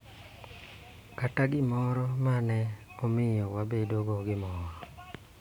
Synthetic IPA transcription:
kataɡɪmɔɾɔmanɛɔmɪjɔwabedoɡoɡɪmɔɾɔ

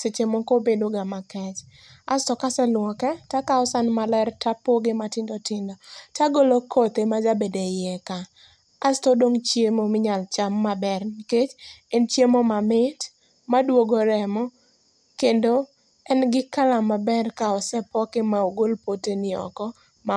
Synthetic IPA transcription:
set͡ʃemokobedoɡamakɛt͡ʃ | a̰stɔkasɛlwɔkɛtakaɔsanmalɛrtapoɡɪmatɪndɔtɪndɔtaɡolokʰot̪emad͡ʒabedejɛkaː | stɔdoŋt͡ʃjemomɪɲalt͡ʃamːabɛrniket͡ʃent͡ʃjemomamɪt | madwoɡoɾɛmɔ | kendo | ɛnɡɪkalamabɛrkaɔsɛpɔkemaoɡolpotenɪɔ̰kɔ | ma

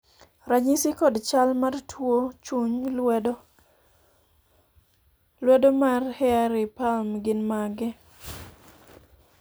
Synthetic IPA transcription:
ɾaɲisikɔdt͡ʃalmartʰwot͡ʃuɲd | lwɛdɔmarhɛaɾɪpalmɡɪnmaɡɪ

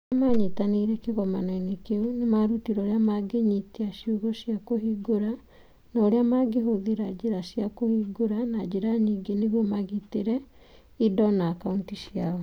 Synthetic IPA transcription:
amaɲetaneɾɛkeɣɔmananekeunemaɾutiɾɔɾeamaɡeɲiteaʃuɣɔɕjakohiɡoɾa | naoɾeamaɡeɦoðeɾad͡ʒeɾaɕjakohiɡoɾanad͡ʑeɾaɲiːŋɡeneɣɔmaɣiteɾɛ | idɔnaːkauntiʃjaɔ

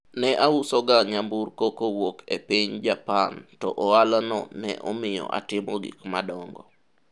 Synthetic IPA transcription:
nɛʔausɔɡaɲamburkokowokʰepiɲd͡ʒapantɔʔɔalanɔnɛ̰ʔɔmɪjɔ̰ʔa̰tɪmɔɡḭkmadɔŋɡɔ

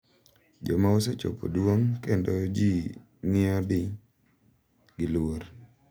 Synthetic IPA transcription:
d͡ʒɔmaoset͡ʃo̰pʰo̰dwoŋkendod͡ʒi | ŋɪɔdɪ | ɡɪloɾ

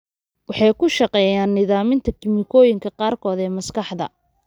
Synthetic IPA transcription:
wɑħɑjkʰʊʃɑqɛːjaːnːɪðaːmɪnt̪ʰɐkʰɪmɪkʰɔːjɪŋkʰɐqɑːrkʰɔːðɛːmɐskɑħðɐ̰

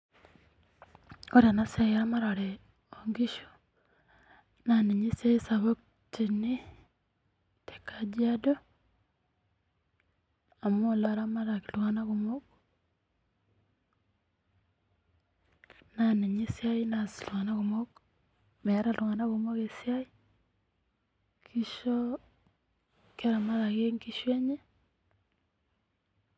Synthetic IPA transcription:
oɾanasajamaɾaɾe | oŋɡiʃu̥ | naneɲisaisaβok | tini | te̥kad͡ʒiado | amolaɾamaɾakiluɣanaɣumok | naneɲesjainasilwanaɣomok | mɛɾaluŋanaɣomoɣesjai | kʰiʃɔ | keɾamaɾaɣeŋkiʃwɛɲe

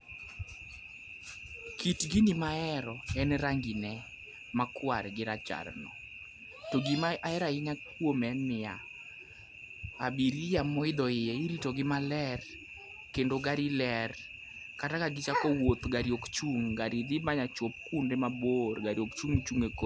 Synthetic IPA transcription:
kitɡinimaɛɾɔɛnɾaŋɡɪnɛ | makwaɾɡɪɾat͡ʃa̰rnɔ | toɡɪmaaɛɾaɪɲakwomɛnːɪa | abiɾijamɔɪd̪ɔɪjɛiɾitoɡɪmalɛr | kendoɡaɾilɛr | katakaɡɪt͡ʃakɔwot̪ɡaɾjokt͡ʃuŋɡaɾid̪ɪmaɲat͡ʃop̚kundemaborɡaɾjokt͡ʃuŋt͡ʃuŋeko

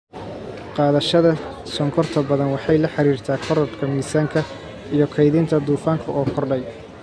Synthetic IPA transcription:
qɑːðɐʃɐðɐ | sɔŋkʰɔrt̪ʰɐbɐðɐnwɑħɑjlɐħɑɾiːrt̪ʰaːkʰɔɾɔb̪kʰɐmiːsaːŋkʰɐ | ijɞkʰɛjðɪnt̪ʰɐd̪uːfaːŋkʰɐʔɔːkʰɔrɖɛj

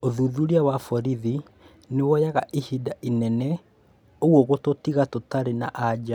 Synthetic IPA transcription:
oðuðuɾiawafɔɾiði | newɔjaɣaʔihidaʔinɛnɛ | oɣwɔɣototiɣatotaɾenaʔad͡ʑa

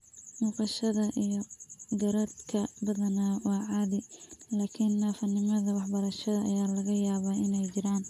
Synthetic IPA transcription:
muːqɑʃɐðɐʔijɔɡɐɾɐd̪kʰɐbɐðɐnawɑːʕɑːðɪlaːkʰɪnːaːfɐnɪmɐðɐwɑħbɐɾɐʃɐðɐɐjaːlɐɣɐjaːβaːɪnɛjt͡ʃɪɾaːn

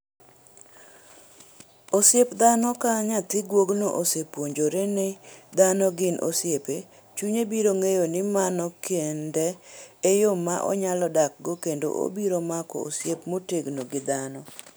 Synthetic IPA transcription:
osjepd̪anɔkaɲat̪ɪɡwoɡnoʔosepwoɲd͡ʒoɾenɪd̪anɔɡɪnʔo̰sjepe | t͡ʃuɲebiɾoŋejonɪmanɔkendɛːjomːaʔɔ̰ɲalɔdak̚ɡokendo̰ʔo̰biɾomakɔ̰o̰sjepmoteɡnoɡɪd̪anɔ

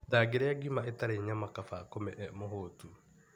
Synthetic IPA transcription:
daɡeɾeaɡimaetaɾeɲamakafakomɛʔɛmoɦoːtu

